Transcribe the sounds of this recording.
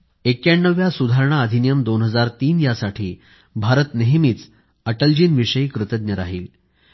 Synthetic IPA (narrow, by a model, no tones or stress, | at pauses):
ekjaɳːəʋjasud̪ʱaɾɳaəd̪ʱinijəmd̪onɦəd͡zaɾt̪iːnjasaʈʰiː | bʱaɾət̪neɦmiːt͡s | əʈəld͡ʑiːnʋiʂəjkɾɨt̪əd̪̚njəɾaɦḭːl